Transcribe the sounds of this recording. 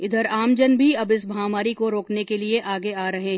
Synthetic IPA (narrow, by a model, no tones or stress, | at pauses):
ɪd̪əɾaːmd͡ʒənbʱiɐbɪsbʱaːmaːɾikoɾoːknekelieʔaːɡeaːɾɐɦeɦ